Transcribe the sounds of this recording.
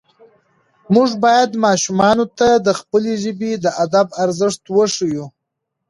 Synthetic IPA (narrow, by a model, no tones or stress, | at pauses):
mʊʐbɑjad̪mɑʃumɑnot̪ad̪əxpəleʒəbed̪əʔad̪abaɾzəʂt̪wəʂiju